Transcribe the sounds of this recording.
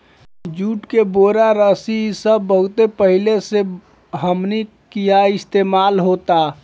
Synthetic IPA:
d͡ʒuʈkeboɾaɾəsisəbːəɦut̪epəɦilese | ɦəmni | kijaɪst̪emalɦot̪a

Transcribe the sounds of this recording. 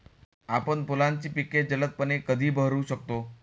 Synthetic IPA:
apəɳpolant͡ɕiːpikeʈ̚d͡ʑələt̪̚pənekəd̪ʱiːbʱəɦɾuɕək̚t̪o

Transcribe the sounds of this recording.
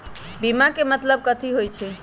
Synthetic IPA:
bimakemət̪ləb̚kət̪ʰiɦojt͡ʃʰe

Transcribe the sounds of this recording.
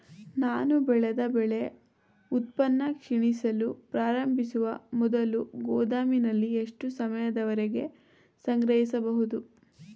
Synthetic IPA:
naːnubɛɭed̪ɐbɛɭe̞ | ut̪̚pɐnːɐkʂiɳisɐlupɾaːɾɐmbʱisuʋɐmɔd̪ɐluɡɔːd̪aːminɐlːieʂʈusɐmɐjɐd̪ɐʋɐɾeɡe̞ | sɐŋɡɾɐɦisɐbɐɦud̪u

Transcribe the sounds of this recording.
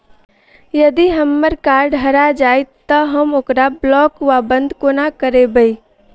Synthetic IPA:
jəd̪iɦəmːəɾkaɾɖɦəɾad͡ʒajt̪ːəɦəmoːkɾablɔkʋabənd̪ʱkonakəɾebəi

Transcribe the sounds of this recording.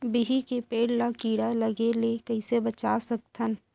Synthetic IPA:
biɦikepeːɽlakiːɽaləɡelekəɪsebət͡ʃasək̚t̪ʰən

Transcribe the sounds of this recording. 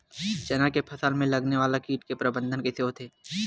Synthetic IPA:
t͡ʃɐnakepʰɐsəlmẽlɐɡneʋaːlakiːʈkepɾɐbə̃nd̪ʱənkeseːot̪ʰeː

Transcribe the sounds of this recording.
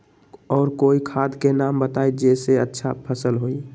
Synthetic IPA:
ɔːɾkoːikʰaːd̪ʱkenambət̪aːid͡ʒeseətːʃʰapʰəsəlɦoi

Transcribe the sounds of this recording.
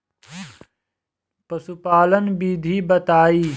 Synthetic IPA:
pɐsupaːlənbiːd̪ʱiːbɐt̪aːiː

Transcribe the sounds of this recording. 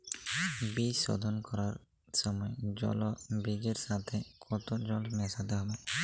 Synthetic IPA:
bisːɔ̰d̪ʱɔnkɔɾaɾ | sɔmɔed͡ʒɔ̰lɔbid͡ʒeɾsat̪ʰɛkʰɔt̪od͡ʒɔlmɛsat̪ɛɦɔbɛ

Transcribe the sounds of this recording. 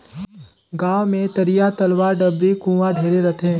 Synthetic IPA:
ɡaːwmẽt̪ɐɾijat̪ɐlʋaːɾɖɐbɾikũːʋaɖʱeːɾeɾɐt̪ʰẽː

